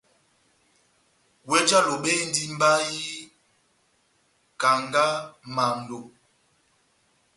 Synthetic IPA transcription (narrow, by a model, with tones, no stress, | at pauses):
we˦d͡ʒa˦lo˨ɓe˦n˦di˦m˦ba˦ji˦ | ka˨ŋɡa˦ma˨n˨do˨